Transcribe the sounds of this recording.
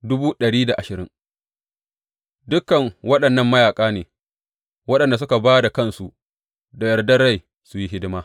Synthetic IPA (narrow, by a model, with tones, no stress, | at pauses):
dʊ˦buː˦ɗɐ˨ɽiː˦da˨ʔa˨ʃɪ˨ɾɪ˦ŋ | dʊ˦kːɐ˨ŋwɐ˦ɗɐ˨nːɐ˦˨mːɐ˦jaː˨kʼaː˦neː˨ | wɐ˦ɗɐ˨nda˨s̬ʊ˦ka˨baː˦da˨kɐ˦nsu˨ | da˨jɐ˨rdɐ˦ɽa˦˨j | sʊ˨ji˦ɦɪ˦dɪ˦maː˦